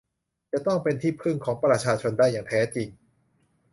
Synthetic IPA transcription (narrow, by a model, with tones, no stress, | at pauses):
t͡ɕa˨˩t̪ɔ˥˩ŋpe˧nt̪ʰiː˥˩pʰɯ˥˩ŋkʰɔː˩˦ŋpɾa˧t͡ɕʰaː˧t͡ɕʰo˧ndaː˥˩jːaː˨˩ŋt̪ʰɛː˦˥t͡ɕi˧ŋ